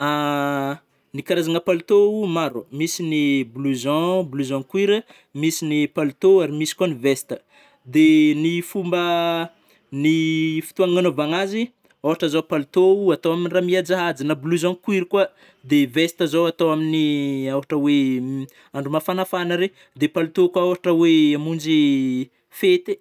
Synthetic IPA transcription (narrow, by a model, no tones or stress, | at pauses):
a | nikaɾazaŋəpalut̪oumaɾomisinibuluzɑ̃bluzɔ̃kwiɾə | misinipalut̪oaɾimisi̥kanivest̪ə | d̪enifumbə | nifi̥t̪uaŋanovaŋazi | oɦaʈ͡ʂəzopalut̪oat̪owaminiramiad͡zaɦad͡zinabuluzɔ̃kwiɾikwa | d̪evest̪əzowat̪owaminiawaʈ͡ʂəwe | ãɳɖ͡ʐumafanafanəɾe | d̪epalut̪okwaawaʈ͡ʂəweamund͡ʒi | fet̪e